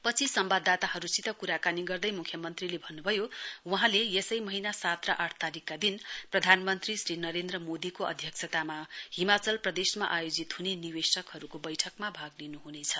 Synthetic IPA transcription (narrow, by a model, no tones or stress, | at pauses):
pʌt͡sʰisʌmbad̪at̪aɦʌɾusit̪ʌkuɾakaniɡʌrd̪ʌjmukʰjʌmʌnt̪rilebʱʌnːubʱʌjowuɦãlejesʌjmʌɦinasat̪raʔaʈʰt̪aɾikːad̪inprʌd̪ʱanmʌnt̪risrinʌɾend̪rʌmod̪ikoʌ̰d̪ʱjʌk̚sʰʌt̪amahimat͡sʌlprʌd̪esmaʔajod͡zit̪ɦuneniwesʌkɦʌɾukobʌjʈʰʌkmabʱaɡlinuɦunet͡sʰʌ